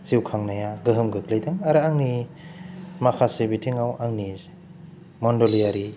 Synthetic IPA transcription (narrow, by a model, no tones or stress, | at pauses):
z̥iwkʰaŋnajaɡɯɦɯmɡɯklajdɯŋaɾɯaŋni | makʰasibitʰiŋawʔaŋni | mɔndɔlijaɾi